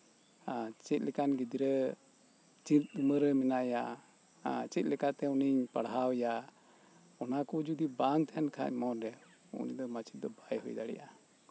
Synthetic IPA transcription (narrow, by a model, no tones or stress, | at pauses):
t͡ʃɛt̪̚ˀlɛkanɡid̪iɾə | t͡ʃit̪̚d̪uməɾɛmɛnaʔja | t͡ʃɛt̪̚ˀlɛkat̪ɛuniɲpaɽɦawja | ɔnakɔd͡ʒud̪ibaŋt̪ʰankʰa̰ɲmɔdɛ | ṵniɲd̪ɔmat͡ʃit̪̚d̪ɔbajɦɔjd̪aɽɛ̰ʔa